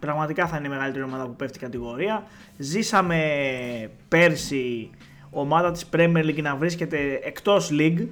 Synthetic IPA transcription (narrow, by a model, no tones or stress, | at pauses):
pɾɐɣmɐt̪ikɐθɐineme̞ɣɐlit̪e̞ɾio̞mɐðɐpupeft̪ikɐt̪iɣo̞ɾiɐ | zisɐme̞ | pe̞ɾsi | o̞mɐðɐt̪i̥spɾemieɾliɡnɐvɾisce̞t̪e̞ːkt̪o̞sliɡ